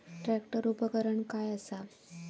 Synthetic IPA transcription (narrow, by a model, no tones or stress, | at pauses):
ʈɾækʈəɾupəkəɾəɳkajəsa